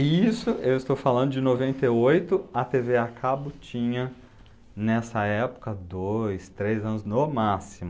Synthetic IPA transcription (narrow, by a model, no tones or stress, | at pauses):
isʊewɪst̪owfalɐ̃nd̪ʊd͡ʒɪnovẽnt̪eojt̪ʊɐt̪eveakʰabʊt͡ʃĩɲɐ | nɛsɐɛpʊ̥kɐd̪ojst̪ɾejzɐ̃nʊznomasimʊ